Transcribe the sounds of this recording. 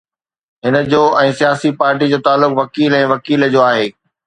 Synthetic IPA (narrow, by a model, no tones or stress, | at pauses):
ɦɪnə̆d͡ʑoːɛ̃ːsijaːsipaːɾʈ̬id͡ʑoːt̪aːlːʊkʋɐkiːlɛ̃ːʋɐkiːld͡ʑoːaːɦeː